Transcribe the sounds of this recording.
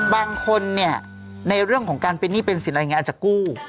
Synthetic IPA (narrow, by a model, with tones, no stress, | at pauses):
baː˧ŋkʰo˧nːi˥˩ɐ | na˧jɾɯ˥˩əŋkʰɔː˩˦ŋkaː˧npe˧nːiː˥˩pe˧nsi˨˩˦nʔa˧˨ŋa˧a˨˩t͡ɕa˨˩kːuː˥˩